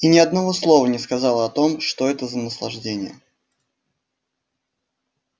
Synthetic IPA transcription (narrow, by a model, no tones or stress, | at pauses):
inʲɪɐd̪nɐvo̞slˠo̞vənʲɪskɐzɑlˠəɐt̪o̞mʂt̪o̞ɛt̪əzənəslˠɐʐdʲenʲɪjə̰